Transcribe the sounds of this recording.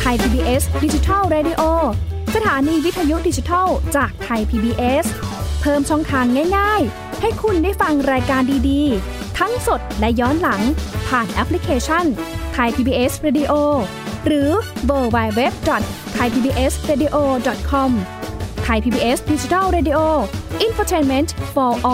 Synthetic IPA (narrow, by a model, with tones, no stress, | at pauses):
t̪ʰa˧jpʰiː˧biː˧ʔe˦˥sdi˧˩t͡ɕi˧t̪ʰa˥˩lɾeː˧di˧˥ʔoː˧sa˧t̪ʰaː˩˦niː˧wi˦˥t̪ʰːa˧ju˦˥di˧t͡ɕi˧t̪ʰa˥˩wt͡ɕaː˨˩k̚t̪ʰa˧jpʰiː˧biː˧ʔe˦˥spʰɤː˥˩mt͡ɕʰɔ˥˩ŋt̪ʰaː˧ŋːaː˥˩jŋaː˥˩j | ha˥˩jkʰu˧ndaː˥˩jfa˧ŋɾaː˧jkaː˧ndiː˧diː˧ | t̪ʰa˦˥ŋso˨˩t̪̚lɛ˦˥jɔː˦˥nla˩˦ŋpʰaː˨˩nʔɛ˦˥pʰli˦˥kʰeː˧t͡ɕʰa˥˩nt̪ʰa˧jpʰiː˧biː˧ʔe˦˥sɾeː˧di˧ʔoː˧ | ɾɯː˩˦wɤː˧wa˧jwe˦˥p̚dɔ˨˩t̪̚ʰːa˧jpʰiː˧biː˧ʔe˦˥sɾeː˧diː˧ʔoː˧dɔ˨˩t̪̚kʰɔ˧m | t̪ʰa˧jpʰiː˧biː˧ʔe˦˥sdi˧t͡ɕi˧t̪ʰa˥˩lɾeː˧di˧ʔoː˧ʔi˧nfoː˧t͡ɕʰeː˧nme˦˥ntfɔː˧ʔɔ˧˩